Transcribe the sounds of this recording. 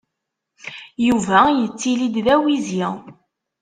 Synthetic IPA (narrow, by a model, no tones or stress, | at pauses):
juvæjət͡sːilid̪ðæwizjæ